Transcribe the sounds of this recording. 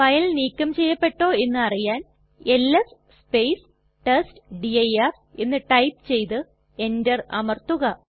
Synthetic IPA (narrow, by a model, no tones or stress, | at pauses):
fɐjɐlniːkʲːɐmt͡ɕe̞jːɐpːe̞ʈːo̞ːe̞nːɨɐrijaːn | e̞lːes | spejs | ʈɐstɖiɐjar | e̞nːɨʈɐjpt͡ɕe̞jt̪ɨ | e̞ndɐrɐmɐrt̪uɣɐ